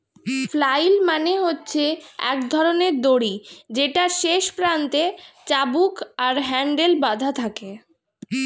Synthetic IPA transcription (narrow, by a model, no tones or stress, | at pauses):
flajlmaneɦotːɕʰeɛ̰kd̪ʱɔɾoneɾd̪oɽid͡ʑeʈaʃeʃpɾant̪et͡ɕabukaɾɦɛɳɖelbad̪ʱat̪ʰake